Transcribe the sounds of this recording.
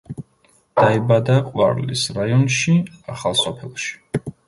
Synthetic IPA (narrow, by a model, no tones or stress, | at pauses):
d̪̥aibad̪aqʼwa̰ɾlḭsɾajɔnʃiaχalˠsɔpʰɛlˠʃi̥